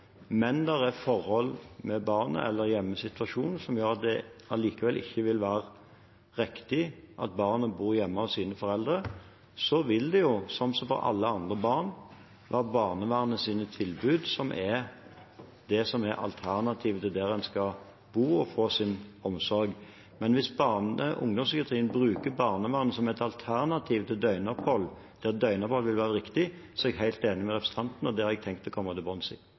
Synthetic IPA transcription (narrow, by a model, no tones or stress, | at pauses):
mɛnd̪ɛɾæfɔɾhɔlːmɛbɑːʁnə̰ʔɛ̰lːəɾjɛmːəsɪt̪ʋɑʂuːnn̩sɔmjøːʁɑt̪̚d̪ɛɑliːkəʋɛlʔɪ̰çːəʋɪlʋæːɾə | ɾɪkt̪ɪʔɑt̪̚bɑːʁnəbuːɾjɛmːəɔsiːnəfɔɾɛld̪ʁə | sɔʋɪld̪ɛjʊsɔmsɔfɔ̰ɾɑ̰lːəɑnd̪ʁəbɑːʁn | ʋæːʁəbɑːʁnəʋæːʁnəsiːnət̪ʰɪlbʉːd̪sɔmʔɛ | d̪ɛsɔmɛɾɑ̰lt̪ʰæʁnɑt̪ʰiːʋət̪ʰɪld̪ɛɾɛnskɑ | buːɔfoːsɪnɔmsɔɾɡ | mɛnʋɪsbɑʁnə̰ʔʊ̰ŋd̪ɔmsʏkɑt̪ʰʁiːənbɾʉːkəbɑːʁnəʋæːʁənəsɔmɛt̪ɑlt̪ʰæʁnɑt̪ʰiːʋt̪ʰɪld̪œʏnɔphɔlː | d̪̥ɛd̪œʏnəɔphɔlʋɪlʋæːɾəɾɪkt̪ɪsɔɛɡɦæɪlt̪eːnɪmɛʁɛpɾəsət̪ʰɑnt̪n̩ɔd̪ɛhɑɾɛɡ̚t̪ʰɛŋkt̪ɔkɔmːət̪ʰɪlbɔnsḭ